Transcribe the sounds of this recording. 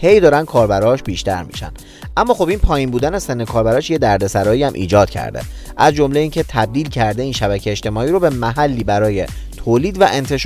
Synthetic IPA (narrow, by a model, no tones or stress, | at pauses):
he̞jd̪ɒːɾænd̪kʰɒːɾbæɾɒːʃbiːʃt̪æɾmḭːʃæ̰nd̪ | ʔæmːɒːxobiːnpʰɒːjinbuːd̪ænesenːekʰɒːɾbæɾɒːʃje̞d̪æɾd̪e̞sæɾɒːjiæmʔḭːd͡ʒɒːd̪̥cʰæ̰ɾd̪e̞̰ | ʔæzd͡ʒo̞mle̞iːncʰe̞t̪ʰæb̚d̪iːlcʰæɾd̪eiːnʃæβæcʰeeʃt̪e̞mɒːiːɾobemæɦælːiːbæɾɒːje̞t̪ʰoːliːd̪væʔe̞nt̪ʰe̞ʃ